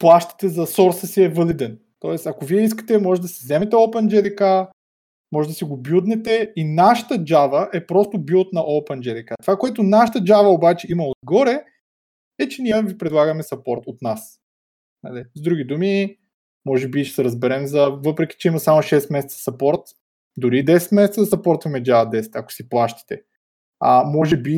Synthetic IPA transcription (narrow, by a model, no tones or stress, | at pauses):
plˠaʃt̪ə̥t̪ɛzɐsɔɾsəsiɛvɤlid̪ɛn | t̪ɔɛst̪ɐkoviɛis̬kə̥t̪ɛmɔʒɛd̪ɐsɛzɛmɛt̪ɛopɛnd͡ʒɛlika | mɔʒɛd̪ɐsiɡobjud̪nɛt̪ɛinaʃə̥t̪əd͡ʒavəʔɛpɾɔst̪ʊbut̪nɐʔopɛnd͡ʒɛlʲikat̪ovakoɛt̪onaʃə̥t̪əd͡ʒavɐobat͡ʃɛimɐod̪ɡɔɾɛ | ɛt͡ʃɛnijəvipɾɛd̪lˠaɡɐmɛsɐpɔɾt̪ot̪nas | nɐ̰lizd̪ɾuɡ̟ʲid̪umi | mɔʒɛbiʃɛ̥sɛɾɐzbɛɾɛmzɐvɤpɾɛk̟i̥t͡ʃɛimɐsamoʃɛst̪mɛsɛt̪sə̥sɐpɔɾt̪ | d̪ʊɾid̪ɛsɛt̪mɛsɛt̪səd̪ɐsɐpɔɾt̪vɐmɛd͡ʒavɐd̪ɛsɛ̥t̪ɐko̥siplˠaʃt̪i̥t̪ɛ | ɐmɔʒɛbi